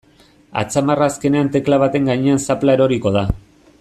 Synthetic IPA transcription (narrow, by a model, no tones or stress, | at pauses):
a̰t͡samaraːske̞ne̞ant̪e̞klaβat̪e̞ŋɡaɲeansaplaeɾo̞ɾiko̞ð̞a